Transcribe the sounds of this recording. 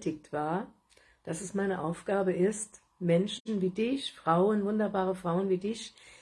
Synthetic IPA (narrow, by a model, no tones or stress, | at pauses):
tɪk̚tv̥aːɐ | d̥asɛsmaɪnəʔaʊfɡ̥aːbəʔɪst | mɛnʃn̩viːdɪçfʁ̥aʊənvʊndɐbaːʁəfʁ̥aʊənviːdɪç